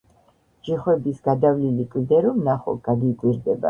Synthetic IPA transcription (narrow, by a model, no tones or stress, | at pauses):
d͡ʒiχwɛbisɡad̪avlilikʼld̪ɛɾɔmnaχɔ̰ɡ̥aɡikʼwiɾd̪ɛba̰